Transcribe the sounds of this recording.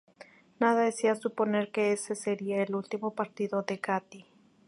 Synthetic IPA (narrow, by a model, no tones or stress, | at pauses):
naðaðesiasupone̞ɾkeese̞seɾiaelult̪imo̞paɾt̪iðo̞ðe̞kat̪i